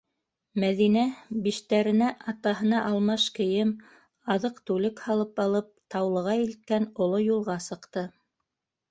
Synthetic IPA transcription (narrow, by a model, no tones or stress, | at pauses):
mæðinæbiʃt̪æɾɘ̆næʔɑt̪ɑɦɤ̆nɑʔɑlˠmɑʃkɘ̆jɘm | ɑðɤqt̪ʉlɘkhɑlˠɤpɑlˠɤp̚t̪ɑwlˠɤ̆ʁɑilt̪̚kænŏlˠojulˠʁɑsɤ̆qt̪ɤ